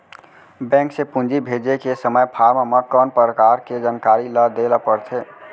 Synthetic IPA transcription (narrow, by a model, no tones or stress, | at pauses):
bɛ̃ŋksepũnd͡ʒibʱed͡ʒekesəməjpʰaɾmməkɔːnpəɾəkaɾked͡ʒənkaɾiləd̪eləpəɾt̪ʰe